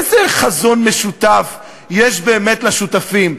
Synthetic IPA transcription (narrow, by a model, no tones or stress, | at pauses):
zeχazo̞nme̞ʃut̪af | jeʃbe̞ːmetlaʃutafim